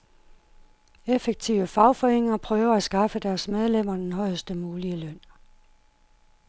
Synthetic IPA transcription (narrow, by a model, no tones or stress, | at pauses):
efeɡ̥̚t͡sʰiʊəfɑ̈ʊfɒ̽eŋ̰ɐpʰʁœːʊɐæsɡ̥ɑ̈fəd̥æɐsmeð̞ˠlem̰ɐd̥enɦɒ̽ɪ̰əsd̥əmuːliəløn̰